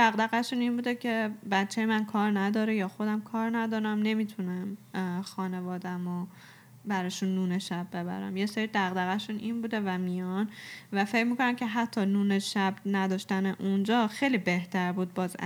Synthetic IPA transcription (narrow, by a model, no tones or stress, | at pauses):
d̪æɣd̪æɣæʃuniːnbuːd̪ecʰe̞bætt͡ʃʰːejemænkʰɒːɾnæd̪ɒːɾejɒːxo̞d̪æmkʰɒːɾnæd̪ɒːɾæmne̞mit̪ʰunæmxɒːne̞vɒːd̪æmo | bæɾɒʃunːuːneʃæbːe̞bæ̰ɾæ̰mje̞seɾid̪æɣd̪æɣæʃunʔiːnbuːd̪e̞væmijɒnvæfecmiko̞næmcʰe̞ɦæt̪ʰːɒːnuːneʃæbnæd̪ɒːʃt̪æneʔund͡ʒɒːxejliːbe̞ht̪ʰæɾbuːd̪̚bɒːzæ̰